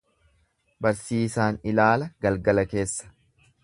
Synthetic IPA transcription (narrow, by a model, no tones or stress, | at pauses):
bɐɾsiːsaːnɪlaːlɐɡ̥ɐlɡɐlɐke̞ːsːɐ̥